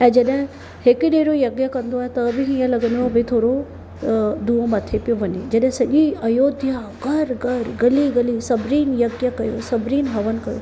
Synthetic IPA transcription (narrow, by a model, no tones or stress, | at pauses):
ɛ̃ːd͡ʒɐɗɦɪ̃ | hɪkɪɗeːɾojɐɡjəkɐ̃nd̪oaːɦet̪ɐbɪɦĩːə̃lɐɡə̃nd̪obɪt̪ʰoːɾo | d̪uːəmɐt̪ʰepijoʋɐɲed͡ʑɐɗɦɪ̃sɐʄiɐjoːd̪ʱjaɡʱɐɾɡʱɐɾɡɐliɡɐlisɐbɾiːnjɐɡjəkɐjo̰sɐbʱɾiːnɦɐʋənɪ̆kɐjo̰